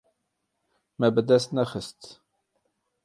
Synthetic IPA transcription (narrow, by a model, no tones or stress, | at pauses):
mæbəd̪æst̪næxəst̪